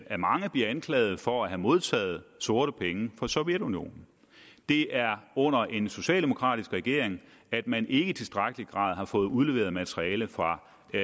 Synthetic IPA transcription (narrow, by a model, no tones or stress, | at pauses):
æɐmɑ̈ŋəb̥liɐænkʰlɛ̰ːð̞̩ˠfɒ̽æɦæmo̝ð̞ˠt͡sʰɛ̰ːð̞̩ˠso̝ɐɾəpʰeŋəfɒ̽sɒ̽ʊjed̥unio̝̰ːnn̩ | d̥e̝ʔæɐɔ̽n̰ɐʔe̝nso̝ɕɛ̰ːld̥emo̝kʰʁɑ̰̈d̥isɡ̥ʁɛɡ̥e̝ɐeŋ | æd̥mænʔe̝ɡ̥əit͡sʰe̝lsd̥ʁaɡ̥əliɡ̥ʁɑ̰̈ːð̞ˠhɑ̈fɔ̽ːð̩ˠuðˠle̝ʋḛːɐðˠmæt͡sʰʁiɛːləfʁɑ̈